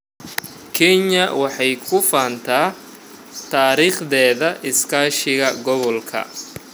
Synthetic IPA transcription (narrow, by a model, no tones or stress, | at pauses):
kʰɛɲɐwɑħɑjkʰʊfaːnt̪ʰaː | t̪ʰaːɾiːχd̪ɛːðɐʔɪskʰaːʃɪɣɐɡɔβɔlkʰɐ̰